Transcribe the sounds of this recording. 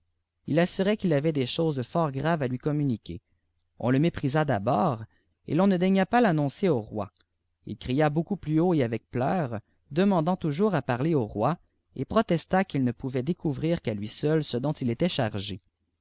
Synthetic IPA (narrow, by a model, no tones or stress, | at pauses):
ilasyʁɛkʲilavɛd̪eʃoːzfɔːʁɡʁavalɥikɔmynikʲḛ | ɔ̰̃ləmepχizad̪abɔːʁ | ḛlɔ̃nəd̪ɛɲapalanɔ̃seoʁwa̰ | ḭlkχijabokuplyoeavɛk̚plœːʁ | d̪əmɑ̃d̪ɑ̃t̪uʒuːʁapaʁleoʁwa | epχɔt̪ɛst̪akʲilnəpuvɛd̪ekʰuvʁiʁkalɥisœlsəd̪ɔ̃t̪ilet̪ɛʃaʁʒe